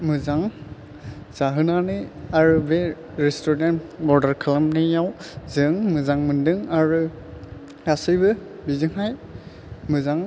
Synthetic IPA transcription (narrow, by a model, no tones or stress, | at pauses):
mɯzaŋ | z̥aɦɯnanɯaɹube | ɹɛstɔɹdentbɔɹdaɹkʰalamnɯjawzɯŋmɯzaŋmɯndɯŋaɹu | asɯjbɯbizɯŋɦaj | mɯzaŋ